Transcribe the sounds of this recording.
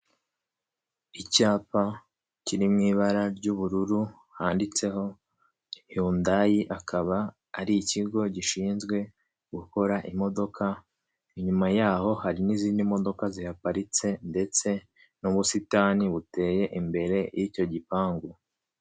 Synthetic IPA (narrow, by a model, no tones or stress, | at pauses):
icaːpa | ciɾimŋiːβaɾaɾɟuβuɾuɾu | haːndit͡se̞ho̞ | juːndajiʔakaβaː | ɾiiciɡo̞ɟiʃiːnzɡwe̞ | ɡ̥uko̞ɾaʔimo̞do̞kʰa | iɲumajaːho̞haɾiniziːndimo̞do̞kazihapaɾit͡se̞nde̞t͡se̞ | nuβusitaːniβute̞ːje̞ʔimbe̞ɾe̞jʔico̞ɟipaːŋɡu